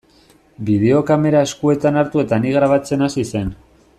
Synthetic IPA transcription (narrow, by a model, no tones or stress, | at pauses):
biðe̞o̞kame̞ɾae̞skue̞t̪anaɾt̪ue̞t̪aniɣɾaβ̞at͡se̞nasise̞n